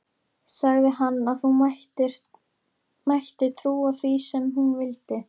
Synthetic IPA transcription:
saɣðɪhanːaðθut | majht̪ɪt̪ʰɾuːaθvisɛmɦunvɪlt̪ɪ

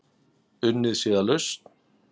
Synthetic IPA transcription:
ʏnːɪðsiːðalʏst̪n

